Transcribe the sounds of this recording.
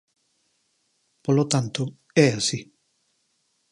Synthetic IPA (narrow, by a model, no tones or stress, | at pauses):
polot̪ant̪o | ɛasi